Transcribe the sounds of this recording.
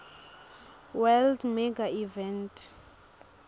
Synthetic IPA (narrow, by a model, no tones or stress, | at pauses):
wɛldmɛɡaivɛntʰʼ